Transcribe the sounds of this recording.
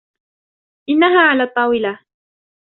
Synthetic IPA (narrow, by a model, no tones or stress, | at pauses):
ʔɪnːaɦaːʕalaːt̪ˤːɑːwɪla